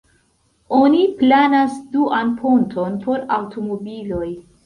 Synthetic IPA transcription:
o̞niplanasduʔanpʰontʰo̞npo̞ɾawtʰomo̞bilo̞j

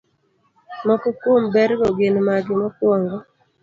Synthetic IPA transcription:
mɔkɔkwombɛɾɡɔɡenmaɡɪmɔkwɔŋɡɔ

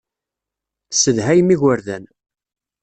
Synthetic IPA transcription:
səðɦæjmːiʝəɾðæn

